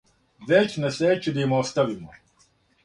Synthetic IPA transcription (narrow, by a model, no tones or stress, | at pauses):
ʋet͡ɕnaset͡ɕid̪aimost̪aʋimo